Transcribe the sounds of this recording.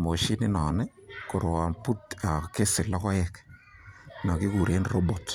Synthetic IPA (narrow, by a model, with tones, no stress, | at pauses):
mo˨ʃi˦nɪ˦nɔ˨nɛ˦ | kʊ˨ɾʊ˨wa˨mpu˦ta˨ke˦sɪ˨lɔ˦kɔ˦ɛ˨k | na˨ki˦ku˨ɾe˦nro˦bo˨t